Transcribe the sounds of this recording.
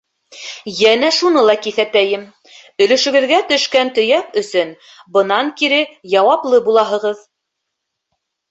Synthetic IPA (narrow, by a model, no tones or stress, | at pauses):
jænæʃunɤlˠɑkiθæt̪æjɘm | ɵ̆lɵ̆ʃɵ̆ɡɘ̆ðɡæt̪ɵ̆ʃkænt̪ɵ̆jæpɵ̆sɵn | bɤ̆nɑŋkiɾɘjɑwɑplˠɤbulˠɑɦɤ̆ʁɤð